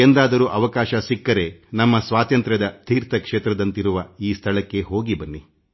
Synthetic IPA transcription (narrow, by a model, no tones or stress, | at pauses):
end̪aːd̪ɐɾuʔɐʋɐkaːʃɐsikːɐɾe̞nɐmːɐsʋaːt̪ɐnt̪ɾɐd̪ɐt̪ʰiːɾt̪ʰɐkʂeːt̪ɾɐd̪ɐnt̪iɾuʋɐiːst̪ʰɐɭɐkːe̞ɦo̞ːɡibɐnːi